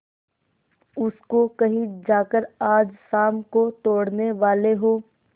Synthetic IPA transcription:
ʊskokɐɦĩd͡ʒaːkəɾaːd͡ʒsaːmkot̪oːɽneʋaːleɦoː

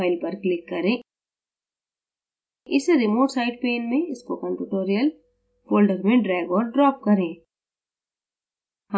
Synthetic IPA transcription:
ɪlpɐɾklɪkːɐɾẽː | ɪsɾɪmoːʈsaːɪɖ̚peːnmẽɪskokə̃mpuːʈoːɾijəl | foːlɖəɾmẽɖɾɛːɡɔːɾɖɾɔːp̚kɐɾẽː | h

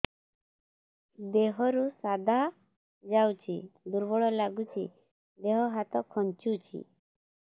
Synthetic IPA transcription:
d̪eɦɔɾusad̪ʱa | d͡ʒawt͡ʃʰid̪uɾbɔɭɔlaɡut͡ʃʰi | d̪eɦɔɦat̪ɔkʰɔnt͡ʃut͡ʃʰḭ

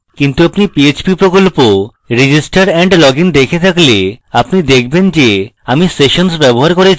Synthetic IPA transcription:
kint̪uapnipiet͡ɕpipɾokolpo | ɾid͡ʑisʈaɾɛɳɖlɔɡind̪ekʰet̪ʰakleapnid̪ekʰbend͡ʑe | amiseʃonsbɛboɦaɾkoɾet͡ɕʰ

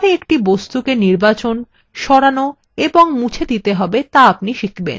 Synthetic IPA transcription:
ɾeekʈibost̪ukeniɾbat͡ɕon | ʃɔɽano | eboŋmut͡ɕʰed̪it̪eɦɔbet̪aap̚niʃikʰbḛn

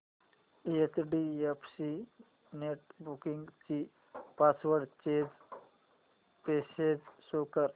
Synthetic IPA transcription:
iet͡ʃɖiepʰsi | neʈbukiŋɡt͡ʃi | pasʋəɾɖt͡ʃed͡ʒ | pesed͡ʒsoːkəɾ

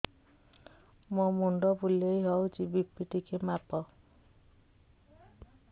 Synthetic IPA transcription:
mɔmuɳɖɔbulejɦɔwd͡ʒibipːiʈikemapɔ

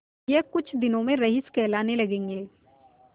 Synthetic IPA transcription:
jekʊt͡ʃʰd̪ɪnõmẽɾɐɦɪskɛːlaːnelɐɡẽːŋɡeː

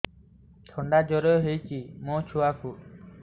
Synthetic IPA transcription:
t̪ʰɔɳɖad͡ʒɔɾɔɦejt͡ʃimɔ̃t͡ʃʰuwapʰuʔ̚

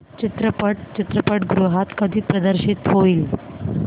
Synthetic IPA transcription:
t͡ɕit̪ɾəpəʈ̚t͡ɕit̪ɾəpəʈɡɾuɦat̪kəd̪ʱiːpɾəd̪əɾɕit̪ɦoiːl

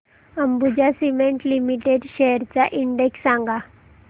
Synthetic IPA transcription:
əmbud͡ʑasimeɳʈlimiʈeɖɕejəɾt͡saʔiɳɖeksːãŋɡa

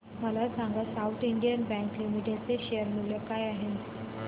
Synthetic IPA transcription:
məlasaŋɡasaut̪ʰiɳɖijənbɛ̃ŋklimiʈjat͡seɕejəɾmuljəkajaɦe

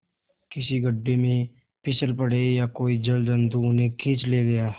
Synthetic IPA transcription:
kɪsiɡəɖːemẽ | pɪsəlpəɽ̤ejakoːid͡ʒɐld̪ə̃nd̪ʱuʊnɦẽkʰɪːt͡ʃleɡɐjaː

